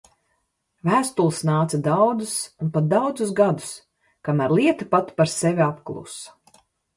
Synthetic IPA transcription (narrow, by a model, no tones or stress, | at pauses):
væːst̪ulˠisnaːt̪sad̪awd̪zusunpat̪̚d̪awd̪zusɡad̪u̥s | kamæɾlˠiɛt̪ipat̪paɾsevʲiapklˠṵsɐ̥